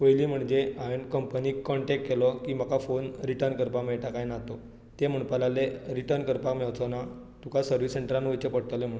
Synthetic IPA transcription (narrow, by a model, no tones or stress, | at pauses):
pəjliːm̤əɳd͡ʑeaʋeɳkəmpəniːkːɔɳʈek̚ʈkelɔkiːmakafonɾiʈəɾnkəɾpameɭʈakajnat̪ɔ | t̪em̤əɳpalaleɾiʈəɾnkəɾpakmeʋt͡sɔna | t̪ukasəɾʋiseɳʈɾãnʋəjt͡ɕəpəɽ̚t̪əlem̤əɳ